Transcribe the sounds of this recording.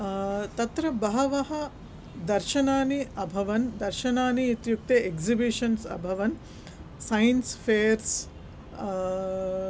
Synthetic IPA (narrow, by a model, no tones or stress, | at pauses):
t̪ɐt̪ɾɐbɐɦɐʋɐɦɐ | d̪ɐɾʃɐnaːniɐbʱɐʋɐnd̪ɐɾʃɐnaːniːt̪juk̚t̪eʔeɡzibiʃɐnsɐ̰bʱɐʋɐn | sɐjnsfʰeːɐɾs